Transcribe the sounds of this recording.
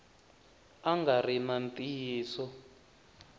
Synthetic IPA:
aŋɡarinantʼijːsɔ

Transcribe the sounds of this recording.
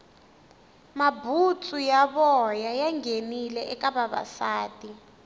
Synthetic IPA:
mabʱut͡sʰʼujaɓɔjajaŋɡenilɛʔɛkaɓaɓa̰saːtʼi

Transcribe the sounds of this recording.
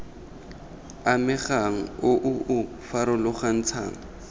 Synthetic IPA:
amɪχaŋ̩ʊʔʊʔʊ | faɾʊlʊχan̩t͡sʰa̰ːŋa

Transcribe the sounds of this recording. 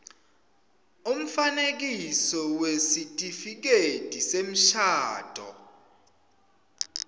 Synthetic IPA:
um̩fanek̬isɔwesitʼifik̬etʼisem̩ʃaːd̥ʱɔ̰

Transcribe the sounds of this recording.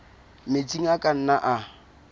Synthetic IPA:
met͡sʼiŋ̩akʼan̩naʔa

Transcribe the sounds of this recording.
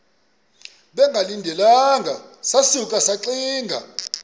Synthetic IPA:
ɓɛŋɡʱalindʱɛlaŋɡʱasasukʼasaǁiːŋɡʱa̰

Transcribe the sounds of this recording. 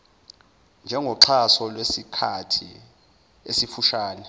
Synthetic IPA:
nd͡ʒʱɛŋɡʱɔǁʰasɔlwesikʰatʰḭ | esifuʃaːnɛ

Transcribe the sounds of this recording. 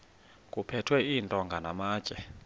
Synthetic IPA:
kʼupʰɛtʰwɛiːntʼɔŋɡʱanamaːd̥t͡ʃʼɛ

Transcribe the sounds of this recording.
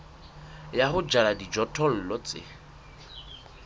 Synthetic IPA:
jaχʊd͡ʒaladid͡ʒɔtʰɔl̩lɔt͡sɪ̰

